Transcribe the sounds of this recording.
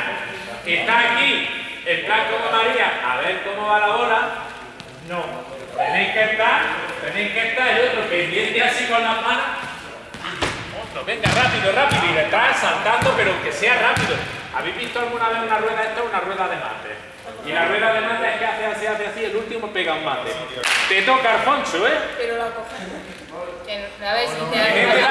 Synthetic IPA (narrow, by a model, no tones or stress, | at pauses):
eht̪aakielplakokomaɾiaa̰βe̞ɾko̞mo̞βalaoɾa | nõ | t̪enejhkeht̪aɾt̪enejhke̞ht̪aɾelot̪ɾope̞nd̪jent̪easikonamãno | nonoβeŋɡarapiðorapiðoiðet̪ɾasant̪and̪ope̞ɾoŋke̞se̞arapiðoa̰βiɦβiht̪oalɣunaβehunarweðaeht̪aunarwe̞ðaðemã̰nt̪ḛ | ilarwe̞ðaðemãnt̪eehkeaθeaseaθeasielult̪imopeɣaummãnt̪ḛt̪e̞t̪okaːlfõnsoepeɾolakoa | o | enaβesitke